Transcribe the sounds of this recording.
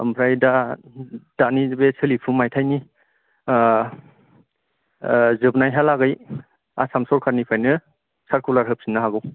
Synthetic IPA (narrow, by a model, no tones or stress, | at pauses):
ɐ̰mpʰɾajda | d̥anibesʰɯlipʰumajtʰajni | zɯbnajɦalaɡɯj | a̰samsɔɾkʰaɾnipʰajnɯ | saɾkulaɾɦɯp̚sinːaɦaɡɯw